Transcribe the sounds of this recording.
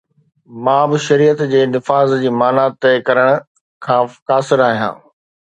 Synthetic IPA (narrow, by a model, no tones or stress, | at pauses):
mãːbɪʃɐɾiːət̪d͡ʑeːnɪfaːzd͡ʑiːmaːnaːt̪ekɐɾəɽ̃ʊ̆ | kʰãːkaːsɪɾaːɦijã̰ː